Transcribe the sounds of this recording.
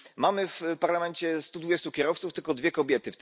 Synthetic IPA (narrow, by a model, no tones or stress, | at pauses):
mamɘfpaɾlamɛnt͡ɕɛst̪ud̪vud͡ʑɛst̪ukʲɛɾɔft̪suft̪ɘlkɔd̪vʲjɛkɔbʲjɛt̪ɘft̪